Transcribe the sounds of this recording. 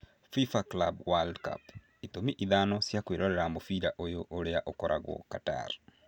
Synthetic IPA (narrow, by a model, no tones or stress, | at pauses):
fifaklabwaldka̰p | itomiʔiðanɔsjakweɾɔɾɛɾamofiɾaʔojoʔoɾeaʔokɔɾʔa̰ɣwɔ̰kata̰ɾ